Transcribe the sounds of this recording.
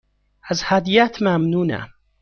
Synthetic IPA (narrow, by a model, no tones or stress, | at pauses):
ʔazhad̪ijat̪mamnuːna̰